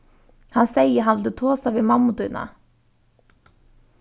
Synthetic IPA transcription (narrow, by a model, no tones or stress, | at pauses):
hɑnseɪəɦɑnʋɪld̪ʉːt̪ʰoːsɑʋeːmɑmʊt̪ʉnɑ̰